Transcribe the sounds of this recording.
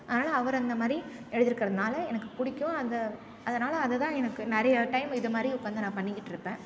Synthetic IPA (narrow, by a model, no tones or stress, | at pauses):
ɐðɐnaːlɐɐʋɐɾɐnd̪ɐmaːd̪ɾiɛɻɯðɪɾɯkːɪɾɐðɐnaːlɐɛnɐkːɯpʊɽɪkːʊ̃ɐnd̪ɐ | ɐðɐnaːlɐːðɛt̪ãːɛnɐkːɯnɛɾɐjɐʈɐɪmɪðɐmaːd̪ɾiʊpːɐnd̪ɯnãːpɐɳːɪkːɪʈːɪɾɯpːẽː